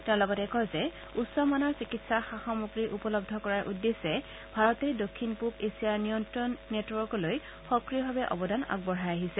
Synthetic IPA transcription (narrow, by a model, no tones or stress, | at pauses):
tɛ̃ʊ̃lɔɡɔtɛkɔjzɛ | utsɔmanɔɹsikitsaxaxɔmuɡɹiʔupɔlɔb̚dʱɔkɔɹaɹʔudːesɛ | bʱaɹɔtɛdokʰːinpukesijaɹnijɔntɹɔnːetwɔɹkɔloj | xɔkɹiɔbʱabɛʔɔ̰bɔdʱana̰ɡ̚bɔɹajaɦisɛ